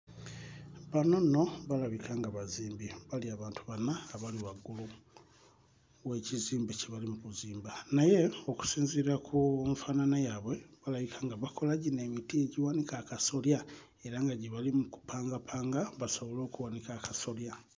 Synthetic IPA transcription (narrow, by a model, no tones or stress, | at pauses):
βano̞no̞βalaβikʰaːŋɡaβaziːmbiβaliaβaːntuβanaːβaliwaɡulu | we̞ciziːmbeciβalimukuziːmbanaje̞o̞ku̥siːnziɾakʰumufananajaːβwe̞βalaβikʰaŋɡaβakʰo̞laɟine̞mitie̞ɟiwanikakaso̞lja | e̞ɾaŋɡaɟiβalimuku̥pʰaːŋɡapʰaːŋɡaβasoβo̞lo̞ːkuwanikakaso̞lja